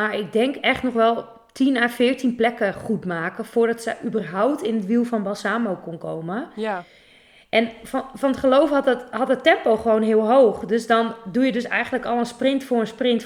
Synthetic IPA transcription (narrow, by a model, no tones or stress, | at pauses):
maɹɪɡ̚dɛŋkɛχtnɔχʋɛlˠ | tʰinaːfɪːɹtinplɛkəχutmaːkəfʊːrdɔtsəʔybərɦawptɪnətʋilˠfɔnbɔlˠsaːmowkonko̰wmə | ʔɛnfɔnətχəlowfhɑthɑt̚ətɛmpowχəʋoːnɦɪəlˠɦowχdøsdɔndujədøsɛ̰jxəndləkɔlˠənsprɪntfʊːrənsprɪnt